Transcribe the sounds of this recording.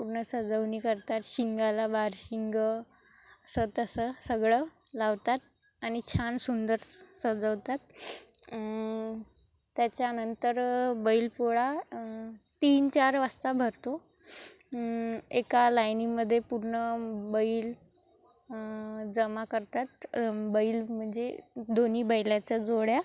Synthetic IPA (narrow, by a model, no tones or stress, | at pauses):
puɾɳəsəd͡zəwniːkəɾt̪at̪ɕiŋɡalabaɾɕiŋɡə | əsət̪əsəsəɡɭə | laʋt̪at̪̚ | aɽ̃it͡ɕʰansund̪əɾsəd͡zəʋt̪at̪̚ | t̪jat͡ɕjanənt̪əɾbəilpuɭa | t̪iːnt͡ɕaɾʋast̪abʱəɾt̪o | ekalajniməd̪ʱːjepuɾɳəbəiːl | d͡zəmakəɾt̪at̪bəiːlm̤əɳd͡zed̪oniːbəjljat͡səd͡zoɽja